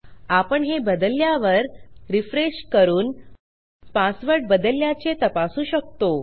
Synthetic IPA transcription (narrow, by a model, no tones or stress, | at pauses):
apəɳɦebəd̪əljaʋəɾɾifɾeɕkəɾuːn | pasʋəɾʈ̚bəd̪əljat͡ɕet̪əpasuːɕək̚t̪o